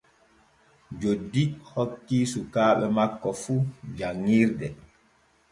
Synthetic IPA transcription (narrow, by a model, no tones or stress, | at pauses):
d͡ʒodikhɔkːisukaːɓɛmakːɔfud͡ʒaŋiɾdɛ